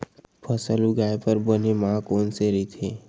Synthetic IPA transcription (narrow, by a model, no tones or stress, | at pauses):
pʰəsəluɡaːepəɾbənemãkoːnseɾit̪ʰeː